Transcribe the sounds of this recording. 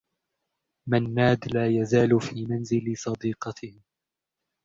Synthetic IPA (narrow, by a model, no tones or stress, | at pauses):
manːaːd̪laːjazaːlfiːmanzɪlsˤɑd̪iːqɑt̪ʰɪh